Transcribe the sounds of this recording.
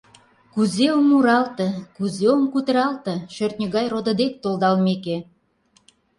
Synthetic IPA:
kuzeomːuɾɑlt̪ə̆kuzeomkut̪əɾɑlt̪ə̆ʃørt̪̚nʲəɣɑjrod̪əd̪ek̚t̪olˠd̪ɑlmeke

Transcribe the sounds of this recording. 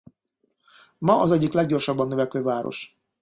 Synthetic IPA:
mɒɒzɛɟːiklɛɡ̚ɟo̞rʃɒbːɒnːøvɛkøːvaːɾo̰ʃ

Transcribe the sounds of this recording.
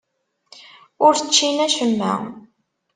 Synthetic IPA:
ʊɾθt͡ʃːinæʃəmːæ̰

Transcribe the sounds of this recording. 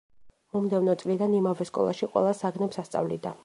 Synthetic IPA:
mɔmd̪ɛvnɔt̪sʼlid̪animavɛskʼɔ̰lˠa̰ʃiqʼwɛ̰lˠasaɡnɛpsast̪sʼa̰vlḭd̪a

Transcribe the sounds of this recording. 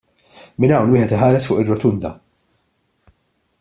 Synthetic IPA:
mɪnɐwnwɪːħɛt̪ɪħɐːɾɛsfʊːʔɪrːɔt̪ʊnd̪ɐ̰

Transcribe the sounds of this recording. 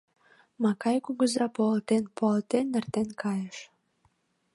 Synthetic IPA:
mɑkɑjkuɡəzɾɑpoɑlt̪enpoɑlt̪enːə̆rt̪enkʰɑjəʃ

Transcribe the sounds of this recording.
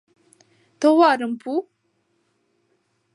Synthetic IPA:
t̪ʰoχwarəmpu

